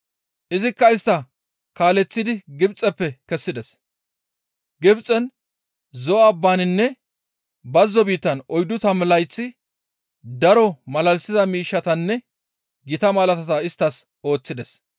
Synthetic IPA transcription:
ʔɪzɪkːɐɪst̪ːɐ | kaːlɛt͡sːɪd̪ɪɡɪbt͡sʼːɛpːɛkɛsːɪd̪ɛs | ɡɪbt͡sʼɛn | zɔːbːaːnɪnːɛ | bɐzːɔbiːt̪ːɐnɔjd̪ʊt̪ɐmlɐjt͡sːɪ | d̪ɐɾɔmɐlɐlsɪzɐmiːʃːɐt̪ɐnːɛ | ɡɪt̪ɐmɐlɐt̪ɐt̪ɐɪst̪ːɐs | o̞ːt͡sːɪd̪ɛs

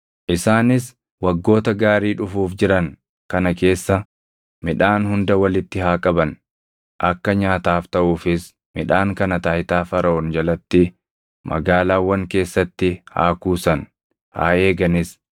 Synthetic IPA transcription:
ʔɪsaːnɪs | wɐɡːo̞ːt̪ɐɡaːɾiːᶑʊfuːfd͡ʒɪɾɐŋ | kɐnɐke̞ːsːɐ | mɪᶑaːnhʊnd̪ɐwɐlɪt̪ːɪɦaːkʼɐbɐn | ʔɐkːɐɲaːt̪aːft̪ɐʔuːfɪs | mɪᶑaːŋkɐnɐt̪aːjt̪aːfɐɾɐɔnd͡ʒɐlɐt̪ːɪ | mʔɐ̰ɡaːlaːwːɐŋke̞ːsːɐt̪ːɪha̰ːkuːsɐn | ha̰ːeːɡɐnɪs

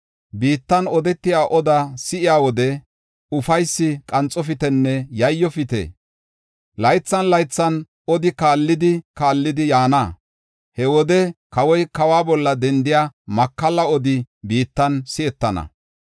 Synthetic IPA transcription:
biːt̪ːɐnɔd̪ɛt̪ːɪjaːʔɔd̪ɐsɪʔɪjaːwɔd̪ɛ | ʊfɐjsːɪkʼɐnt͡sʼɔfɪt̪ɛnːɛjɐjːɔfɪt̪ḛ | lɐjt͡sːɐnlɐjt͡sːɐn | ɔd̪ɪkaːlːɪd̪ɪkaːlːɪd̪ɪjaːna | hɛwɔd̪ɛkɐwɔjkɐwaːbɔlːɐd̪ɛnd̪ɪjaːmɐkːɐlɐɔd̪ɪbiːt̪ːɐnsɪɛt̪ːɐnɐ̰

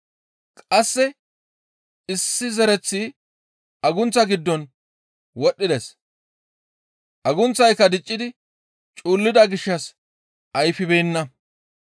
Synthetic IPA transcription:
kʼɐsːɛ | ɪsːɪzɛɾɛt͡sːi | ʔɐɡʊnt͡sːɐɡɪd̪ːɔn | wɔɗːɪd̪ɛs | ʔɐɡʊnt͡sːɐjkːɐd̪ɪt͡ʃʼːɪd̪ɪ | t͡ʃʼuːlːɪd̪ɐɡɪʃːɐs | ʔɐjfɪbejnːɐ

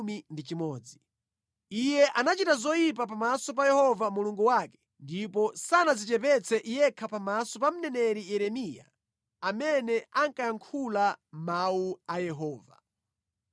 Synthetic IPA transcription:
mindit͡ʃimɔːd͡zi | ijɛʔanat͡ʃitazɔjip̬apamasɔp̬ajɛhɔvamuluŋɡuwaːkɛ̥ | ndipɔsanazit͡ʃɛpɛt͡sʰɛʔijɛkʰapamasɔpam̩nɛnɛɾijɛɾɛmija̰ | amɛnɛaŋkajaŋkʰulamauajɛɦɔːva̰

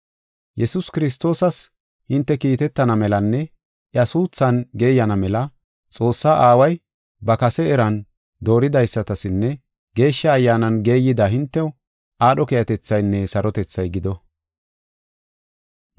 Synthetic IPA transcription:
jɛsʊskɪɾɪs̬t̪o̞ːsɐs | hɪnt̪ːɛkiːt̪ɛt̪ːɐnɐmɛlɐnːɛ | ʔjɐsuːt͡sːɐnɡe̞ːjɐnɐmɛlɐ | t͡sʼo̞ːsːaʔaːwɐj | bɐkɐsɛːɾɐn | d̪o̞ːɾɪd̪ɐjsːɐt̪ɐsɪnːɛ | ɡe̞ːʃːɐːjːaːnɐnɡe̞ːjɪd̪ɐɦɪnt̪ːɛwʊ | ʔaːɗɔkɛjɐt̪ɛt͡sːɐjnːɛsɐɾɔt̪ɛt͡sːɐjɡɪd̪ɔ

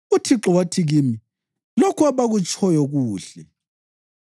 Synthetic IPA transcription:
utʰiǁɔwatʰiɣimi | lokʰuaβaɣut͡ʃʼʰɔjɔɣuːɬɛ

